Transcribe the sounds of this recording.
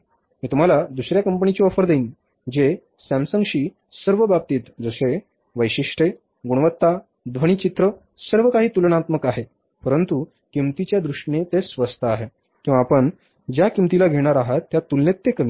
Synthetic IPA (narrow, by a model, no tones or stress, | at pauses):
miːt̪um̤alad̪usɾjakəmpəɳit͡ɕiːɔfəɾd̪eiːn | d͡ʑe | sæmsəŋɡɕiː | səɾʋəbab̚t̪iːt̪d͡zəse | ʋəjɕiʂʈʰe | ɡuɽ̃ʋət̪ːa | d̪ʋəɽ̃iːt͡ɕit̪ɾə | səɾʋəkaɦiːt̪ulənat̪məkaɦe | pəɾənt̪u | kimt̪it͡ɕjad̪ɾuʂʈɳet̪esʋəst̪ʰəaɦe | kĩw̃ʋaːpəɳ | d͡ʑjakimt̪ilaɡʱeɽ̃aɾaɦat̪ːjat̪ulnet̪ːekəmi